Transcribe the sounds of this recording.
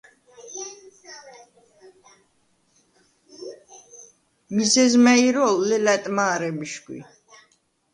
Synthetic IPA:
mizɛzmɛiɾɔːɛlɛt̪ʼmaːɾɛmiʃkwḭ

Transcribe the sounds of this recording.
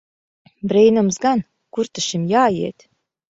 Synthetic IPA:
brejnə̆mzɡɑn | kurt̪ə̆ʃemjɑːjḛt̪ʲ

